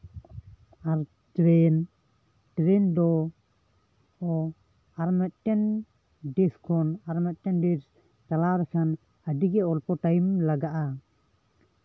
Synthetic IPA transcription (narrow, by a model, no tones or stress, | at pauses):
aɾ | tɾɛn | ʈɾɛnd̪ɔ | ɔ | aɾmɛt̪̚ˀt͡ʃɛn | ɖɛskʰɔnaɾmɛt̪̚ˀʈɛnɖɛs | t͡ʃalaɾɛkʰan | əɖiɡɛɔlpɔʈajmlaɡaʔa